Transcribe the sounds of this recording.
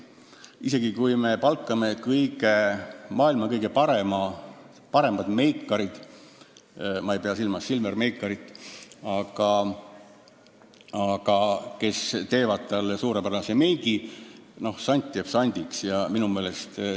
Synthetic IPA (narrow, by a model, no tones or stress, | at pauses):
ise̞ɡ̥ikujme̞pɑlkːˑɑme̞kɯjɡe̞mɑːilmɑkɤjɡ̥e̞pɑɾe̞mɑ | pɑɾe̞mɑd̪̥me̞jkːɑɾid̪̥ | mɑejpeɑsilmɑsːilmerme̞jkːˑɑɾit̪ːˑɑɡ̥ɑ | ɑɡ̥ɑke̞st̪e̞ːvɑd̪̥̚t̪ɑlsuːɾepæɾnɑseme̞jɡino̞hsɑnʲt̪ʲt̪ːeːb̥sɑnʲd̪̥ʲiksjɑminume̞ːle̞st̪